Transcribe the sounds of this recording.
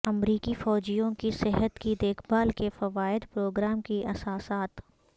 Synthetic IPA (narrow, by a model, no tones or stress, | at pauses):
ɐmɾiːkifɔːd͡ʒijõkisɪɦət̪kid̪eːkʰbaːlkefɐʋaːɪd̪pɾoːɡɾaːmkiʔɐsaːsaːt̪